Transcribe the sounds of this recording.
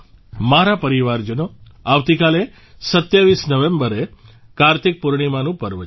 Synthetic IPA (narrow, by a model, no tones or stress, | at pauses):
maɾapəɾiʋaɾd͡ʒəno | aʋt̪ikale | sət̪jaʋisnəʋembəɾe | kaɾt̪ik̚puɾɳ̃imãnũpəɾʋə